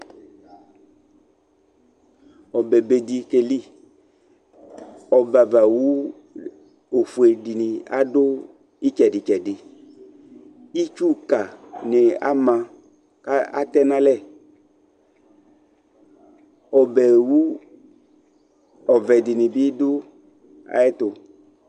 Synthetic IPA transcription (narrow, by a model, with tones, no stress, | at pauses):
ɔ˨bɛ˨be˨di˨˧ke˨li˦ | ɔ˨ba˨va˨wu˦ | o˨fu˨e˨di˨nĩ˨a̰˦dʊ˦ | i˦t͡ʃɛ˨dɪ˨t͡ʃɛ˨dɪ˨ | i˦t͡ʃu˦ka˨nɪ˨a̰˦mã˨ | ka˦a̰˦t̪ɛ˦nã˦lɛ˦˨ | ɔ˨bɛ˨wu˦ | ɔ˨vɛ˨dɪ˨nɪ̃˨bɪ˦dʊ˦ | a̰˨ɛ˦t̪ʊ˨